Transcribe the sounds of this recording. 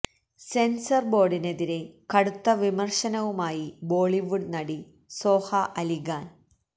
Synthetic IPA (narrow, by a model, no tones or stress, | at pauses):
se̞nsɐrbo̞ːɖine̞ðiɾe̞kɐɽut̪ːɐʋimɐrʂɐnɐʋumaːjibo̞ːɭiʋuɖnɐɽi | so̞ːhɐʔɐliɣaːn